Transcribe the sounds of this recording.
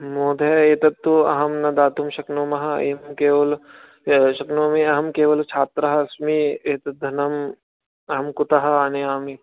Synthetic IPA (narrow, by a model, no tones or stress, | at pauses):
moːd̪ʱɐeːt̪ɐt̪ːuɐ̰ɦɐmnɐd̪aːt̪umʃɐknoːmɐɦɐeːmɐmkeːʋɐl | ʃɐknoːmiɐɦɐmkeːʋɐlt͡ʃʰaːt̪ɾɐɦɐɐsmieːt̪ɐd̪ʱɐnɐm | ɐɦɐmkʊt̪ɐɦɐaneaːmi